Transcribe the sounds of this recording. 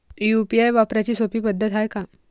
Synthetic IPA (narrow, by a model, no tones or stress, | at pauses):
upiajʋapɾat͡ɕiːsopiːpəd̪ʱːət̪ɦajka